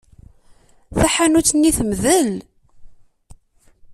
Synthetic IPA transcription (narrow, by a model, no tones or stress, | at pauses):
θæħanut͡sːnːiθəmðəl